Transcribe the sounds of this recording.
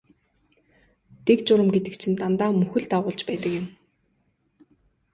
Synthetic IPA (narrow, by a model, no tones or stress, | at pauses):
t̪ekt͡ɕʊɾə̆mɡet̪ɘ̆k̚t͡ɕʰĭnt̪ant̪aːmɵxɘ̆ɮt̪aʁʊːɮt͡ɕpæːt̪ə̆kjɪ̆m